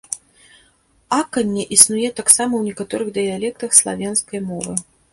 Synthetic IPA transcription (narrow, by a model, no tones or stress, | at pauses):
akɐnʲːɛʔisnujɛt̪aksamɐwnʲɛkat̪ɔɾɨɣd̪ɨjalʲɛk̚t̪ɐxslˠa̰vʲanskɐjmɔvɨ